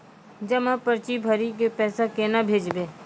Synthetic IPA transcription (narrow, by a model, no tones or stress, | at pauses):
d͡ʒəmãpəɾt͡ʃibʱəɾik̬epɛːsakenabʱeːd͡ʒbeː